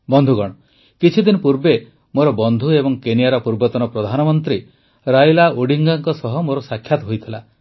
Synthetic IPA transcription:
bɔnd̪ʱuɡɔɽ̃ɔ | kit͡ʃʰid̪inɔpuɾbe | moɾɔbɔnd̪ʱuebɔŋkenijaɾɔpuɾbɔt̪ɔnɔpɾɔd̪ʱanɔmɔnt̪ɾi | ɾajlaoɽiŋɡaŋkɔsɔɦɔmoɾɔsakʰjat̪ɔɦojt̪ʰila

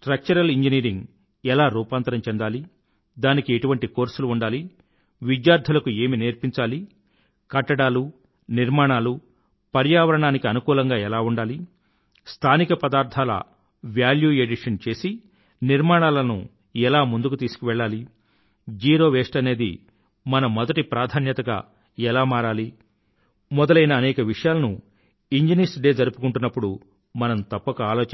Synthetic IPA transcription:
ʈɾɐk̚t͡ʃɐɾɐliɲd͡ʒiniːɾiŋɡ | ɛlaːɾuːpaːnt̪ɐɾɐmt͡ʃɛnd̪aːli | d̪aːnikieʈuʋɐɳʈiko̞ːɾsuluuɳɖaːli | ʋid̪jaːɾd̪ʱɐlɐkue̞ːmineːɾpiɲt͡ʃaːli | kɐʈːɐɽaːlu | niɾmaːɳaːlu | pɐɾjaːʋɐɾɐɳaːnikiɐnukuːlɐŋɡaːɛlaːuɳɖaːli | st̪ʰaːnikɐpɐd̪aːɾt̪ʰaːlɐ̰ | ʋjaːljuːeɖiʂɐnt͡ʃe̞ːsi | niɾmaːɳaːlɐnṵ | ɛlaːmund̪ukut̪iːsu̥kuʋɛɭːaːli | d͡ʒiːɾo̞ːʋeːʂʈɐne̞ːd̪ḭ | mɐnɐmɔd̪ɐʈipɾaːd̪ʱaːnjɐt̪ɐɡa̰ː | ɛlaːmaːɾaːli | mɔd̪ɐlɐjnɐːnɛːkɐʋiʂɐjaːlɐnu | iɲd͡ʒiniːɾsɖe̞ːd͡ʒɐɾupu̥kuɳʈunːɐpːuɽu | mɐnɐmt̪ɐpːɐkuaːloːt͡ʃ

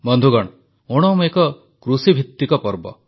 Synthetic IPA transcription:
bɔnd̪ʱuɡɔɽ | oɽ̃ɔmekɔ | kɾusibʱit̪ːikɔpɔɾbɔ̰

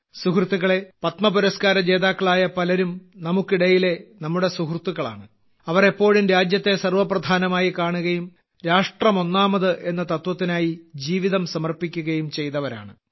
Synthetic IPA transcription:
sukrt̪ːuɣɐɭe̞pɐt̪mɐpuɾɐskaːɾɐd͡ʑe̞ːðaːkːɐɭaːjɐpɐlɐɾumnɐmukːiɽɐjile̞nɐmːuɽe̞suhrt̪ːuɣɐɭa̰ːɳɨ | ɐʋɐrepːo̞ːɻumɾaːd͡ʑjɐt̪ːe̞sɐrʋɐprɐd̪ʱaːnɐmaːjikaːɳuɣɐjum | ɾaːʂʈrɐmo̞nːaːmɐðɨʔe̞nːɐt̪ɐt̪wɐt̪ːinaːjid͡ʑiːʋiðɐmsɐmɐrpikʲːuɣɐjumt͡ɕe̞jt̪ɐʋɐɾa̰ːɳɨ

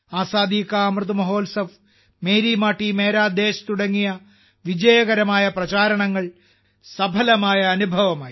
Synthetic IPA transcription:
aːsaːd̪iːkɐːmrɨt̪umɐɦo̞ːlsɐʋ | meːɾimaːʈːimeːɾaːd̪eːɕt̪uɽɐŋːijɐ | ʋid͡ʑɐjɐɣɐɾɐmaːjɐprɐt͡ɕaːɾɐɳɐŋːɐɭ | sɐbʱɐlɐmaːjɐːnubʱɐʋɐmaːji

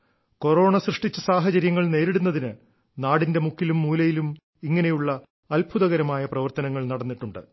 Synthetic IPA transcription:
ko̞ɾo̞ːɳɐsrɨʂʈit͡ɕːɐsaːɦɐt͡ɕɐɾjɐŋːɐɭne̞ːɾeɽunːɐðinɨ | naːɽinde̞mukʰːilumːuːlɐjilum | iŋːɐne̞juɭːɐː | lbʱuðɐɣɐɾɐmaːjɐprɐʋɐrt̪ɐnɐŋːɐɭnɐɽɐnːiʈːuɳɖɨ̰

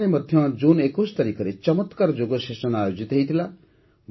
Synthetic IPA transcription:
nemʌd̪ʱjʌ̃d͡zunekost̪ʌɾikʰʌɾet͡sʌmʌt̪kaɾd͡ʒoɡosesʌnajod͡zit̪ɦʌjt̪ʰila | m

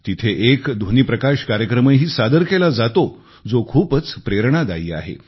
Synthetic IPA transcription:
t̪it̪ʰeʔekd̪ʱoniːpɾəkaɕkaɾjəkɾəmeɦiːsad̪əɾkelad͡zat̪o | d͡zokʰuːpət͡spɾeɾɳ̃ad̪aiːa̰ɦḛ

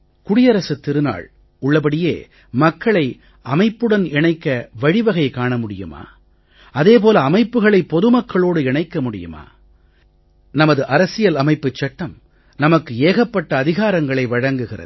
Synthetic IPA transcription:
kʊɽɪjɐɾɐsɯt̪ːɪɾɯna̰ːɭ | ʊɭːɐp̬ɐɽɪjḛː | mɐkːɐɭɐɪ | ʔɐmɐɪpːɯɽɐnɪɳɐɪkːɐʋɐɻɪʋɐɣɐɪkaːɳɐmʊɽɪjɯ̰ma̰ː | ɐðeːp̬oːlɐːmɐɪpːɯɣɐɭɐɪpːɔðɯmɐkːɐɭoːɽɯɪɳɐɪkːɐmʊɽɪ̰jɯ̰ma̰ː | nɐmɐðɯʔɐɾɐsɪjɐlɐmɐɪpːɯt͡ʃːɐʈːɐm | nɐmɐkːɯeːɣɐpːɐʈːɐːðɪɣaːɾɐŋɡɐɭɐɪʋɐɻɐŋɡɯɣɪrɐ̰ð

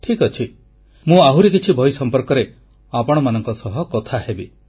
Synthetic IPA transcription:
ʈʰikɔt͡ʃʰi | mũaɦuɾikit͡ʃʰibʱɔjsɔmpɔɾkɔɾe | apɔɽ̃ɔmanɔŋkɔsɔɦɔkɔt̪ʰahebi

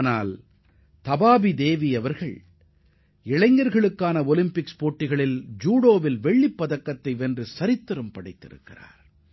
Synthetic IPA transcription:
na̰ːl | t̪ɐbaːbid̪eːʋiɐʋɐɾɣɐɭ | ɪɭɐɪŋɡɐɾɣɐɭɯkːaːnɐɔlɪmpɪkspoːʈːɪɣɐɭɪld͡ʒuːɽoːʋɪlʋɛɭːɪpːɐðɐkːɐt̪ːɐɪʋɛndrɯsɐɾɪt̪ːɯɾɯmpɐɽɐɪt̪ːɪ̰ɾɯ̰kːɪ̰ra̰ːɾ

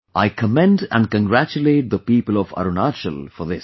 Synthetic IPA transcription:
ʔaɪkʰəmɛ̃ndæ̰̃n̚kə̃nɡɾæt͡ʃuleːʈ̚d̪əpiːpəlɔfa̰ɾonat͡ʃə̰lfɔðɪs

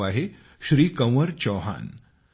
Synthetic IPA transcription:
aɦe | ɕɾiːkəw̃əɾt͡ɕɔɦa̰n

